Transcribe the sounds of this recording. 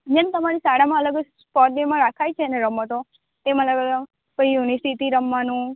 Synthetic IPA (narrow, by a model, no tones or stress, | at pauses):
d͡ʒent̪əmaɾisaɽamãələɡəd͡ʒspɔʈ̚nemãɾakʰajt͡ʃʰeneɾəmət̪o | t̪emãələɡəɡə | pəiunisit̪iɾəmʋanũ